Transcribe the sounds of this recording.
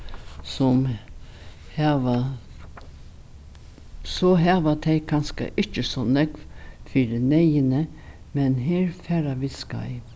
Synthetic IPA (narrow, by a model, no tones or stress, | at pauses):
sɔm | hɑʋa | sɔɦɑːʋat̪ʰɛɪkʰɑnskə̰ʔɪt͡ʃəsɔnɛɡʋfiːɾənɛɪənə | mɛnɦeːɾfæːɾaʋɪska̰ɪ